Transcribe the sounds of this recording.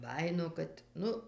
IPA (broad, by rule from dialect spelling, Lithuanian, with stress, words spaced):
ˈbɑːjɪnoː ˈkɐt ˈnʊ